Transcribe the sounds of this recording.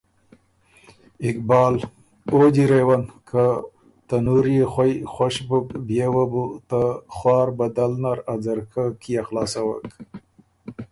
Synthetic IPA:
ɪkbɑːl | od͡ʑiɾewankʰa | t̪anuɾexwajxwaʃbukbjewabut̪axwɑːɾbad̪alnaɾad͡zaɾkʰakijaxlɑːsawa̰k

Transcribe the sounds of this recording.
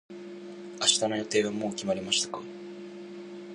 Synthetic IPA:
aɕi̥t̪amenot̪e̞ːβamo̞ːkʲimaɾʲimaɕi̥t̪ḁkḁ

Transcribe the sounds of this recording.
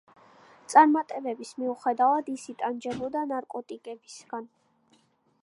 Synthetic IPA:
t̪sʼaɾmat̪ʼɛbɛbismiuχɛd̪avad̪isit̪ʼand͡ʒɛbɔd̪anaɾkʼɔt̪ʼikʼɛbisɡan

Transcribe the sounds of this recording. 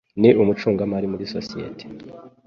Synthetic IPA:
niʔumut͡ʃuːŋɡamaɾimuɾiso̰sijḛtʰe̥

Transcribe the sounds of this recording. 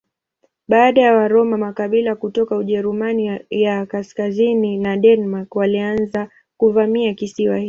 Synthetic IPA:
ɓaːɗajawaɾɔmamakaɓilakutɔkauʄɛɾumanijakaskazininaɗɛnmakwalianza | kuvamiakisiwahi

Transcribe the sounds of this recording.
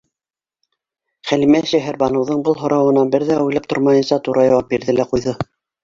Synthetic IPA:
χælimæʃæɦæɾbɑnɤ̆wðɤɴbɤlˠɦŏɾɑwɤ̆nɑnbɘɾðæujlˠɑp̚t̪oɾmɑjɤ̆nsɑt̪uɾʔɑjɑwɑp̚biɾðɘlæqujðɤ

